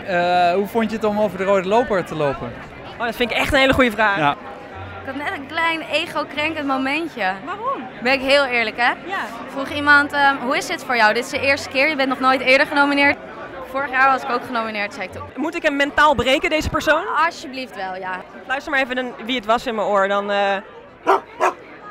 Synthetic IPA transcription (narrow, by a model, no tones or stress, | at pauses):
əɦufɔntjətɔmowvəɹdərowdəlowpəɹtəlowpən | ʔoːdɑtfɪntɪkɛχtənɦejləχujəvraː | ɪkɑtnɛtənklɛjnejχowkrɛŋkəntmomɛntəʋaːrɔm | bɛnɪkɦɪːlˠɪːɹləkɛjafruχimɑntəɦuɪzdɪtfʊːɹjwdɪtɪzdəɪːɹstə̥kɪːɹjəbɛntnɔχnojtɪːɹdəɹχənowminɪːɹt | fʊːɹəχjaːɹʋɑsɪ̥kowkχənowminɪːɹtsɛjɪk̚tmutɪkɦɛmːɛntaːlˠbrejkəndejzəpəɹsownɑsjəbliftʋɛlˠja | lœɥstəɹmaɹejvədanʋiətʋɑsɪnməoːɹdɑnə